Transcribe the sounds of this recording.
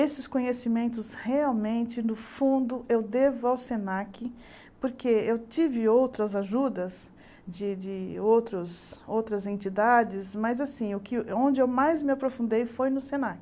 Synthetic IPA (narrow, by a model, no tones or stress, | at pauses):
esɪskõɲesimẽnt̪ʊsheawmẽnt͡ʃɪnʊfũnd̪ʊʔewd̪evʊawsenakɪ | poɾkeewt͡ʃivɪowt̪ɾɐzaʒud̪ɐz | d͡ʒɪd͡ʒɪowt̪ɾʊzowt̪ɾɐzẽnt͡ʃid̪ad͡ʒɪzmɐzasĩʊkɪõnd͡ʒɪewmajzmɪapɾofũnd̪ejfojnʊsẽnakɪ